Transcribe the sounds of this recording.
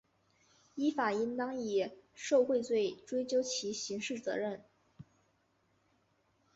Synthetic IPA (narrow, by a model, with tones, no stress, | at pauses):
i˥fa˨˩i˥nt̪ɑ˥ŋi˨˩ʂo˥˧ʊxwe˥˧ɪt͡swe˥˩ɪʈ͡ʂwe˥ɪt͡ɕjo˥ʊt͡ɕʰi˧˥ɕi˧˥ŋʂɻ̩˥˩t͡sɤ̰˧˥ɻə˥˩n